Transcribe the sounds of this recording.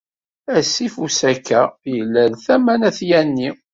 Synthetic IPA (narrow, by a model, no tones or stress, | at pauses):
æsːifusækːæjəlːæðθæmænæθjænːi